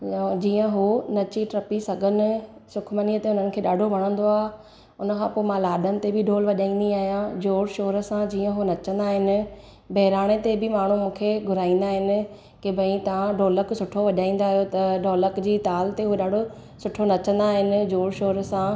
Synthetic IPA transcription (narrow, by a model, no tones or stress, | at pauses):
d͡ʑiːə̃ɦonɐt͡ɕiʈɾɐpisɐɡʱənɪ̆sʊkʰməniːət̪eʊn̤ənɪ̆kʰeːɗaːɖʱoʋɐɽ̃ə̃nd̪oaːɦ | ʊnəkʰãːpoːɪmãlaːɗənɪ̆t̪ebɪɖʱoːlʋɐʄaːĩːn̆d̪iaːɦjãd͡ʑoːɽʃoːɾsãd͡ʑiːə̃ɦonɐt͡ɕə̃nd̪aːɦɪnɪ̆ | bʱɐɦɪɾaːɽ̃et̪ebɪmaːɳ̤umũːkʰeɡʱʊɾaːĩːnd̪aːɦɪnɪ̆ | kebʱɐ̃ĩt̪ɐʋãɖʱoːləksʊʈʰoʋɐʄaːĩːnd̪aːɦijot̪ɐɖʱoːləkd͡ʑiːt̪aːlt̪eɦuɗaːɖʱo | sʊʈʰonɐt͡ɕə̃nd̪aːɦɪnɪ̆d͡ʑoːɽʃoːɾsã